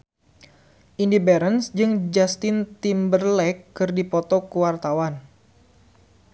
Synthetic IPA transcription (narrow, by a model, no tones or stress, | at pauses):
ʔindibɛɾənsd͡ʒɨŋd͡ʒast̪ɪnt̪imbərlɛkːɨrdipɔt̪ɔkuwart̪awan